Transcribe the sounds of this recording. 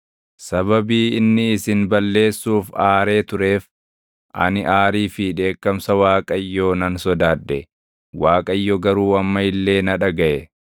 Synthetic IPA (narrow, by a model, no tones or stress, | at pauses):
sɐbɐbiːɪnːɪɪsɪnbɐlːe̞ːsːuːfaːɾe̞ːt̪ʊɾe̞ːf | ʔɐ̰nɪʔaːɾiːfɪᶑe̞ːkːɐmsɐwaːkʼɐjːoːnɐnsɔd̪aːd̪ːɛ | waːkʼɐjːɔɡɐɾuːɐmːɐɪlːe̞ːnɐᶑɐɡɐʔɛ